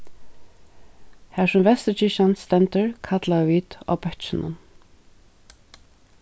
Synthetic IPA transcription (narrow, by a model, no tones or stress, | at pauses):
hæːʂʊmvɛst̪ət͡ʃɪʃanst̪ɛnt̪əɹkʰat̪laəviːt̪ɔ̰pɛt̪t͡ʃɪnʊ̰n